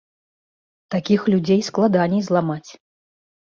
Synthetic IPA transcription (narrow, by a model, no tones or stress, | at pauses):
t̪akʲixlʲud͡zʲejsklˠad̪anʲɛjzlˠamat͡sʲ